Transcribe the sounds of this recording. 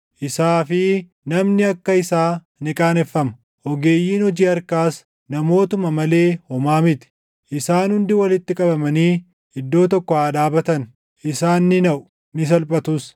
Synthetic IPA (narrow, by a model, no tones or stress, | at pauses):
ʔɪsaːfɪ | nɐmnɪɐkːɐɪsaː | nɪkʼaːnɛfːɐmɐ | ʔɔɡe̞ːjːiːnɔd͡ʒiːɐɾkaːs | nɐmo̞ːt̪ʊmɐmɐle̞ːhɔmaːmɪt̪ɪ̥ | ʔɪsaːnhʊnd̪ɪwɐlɪt̪ːɪkʼɐbɐmɐniː | ɪd̪ːo̞ːt̪ɔkːɔhaːd̪aːbɐt̪ɐn | ʔɪsaːnːɪnɐʔʊ̥ | nɪs̬ɐlpʼɐt̪us